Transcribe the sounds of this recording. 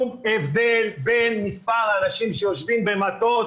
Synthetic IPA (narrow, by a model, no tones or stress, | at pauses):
mevd̪elbenmispaʁanaʃimʃejo̞ʃvimbe̞mat̪o̞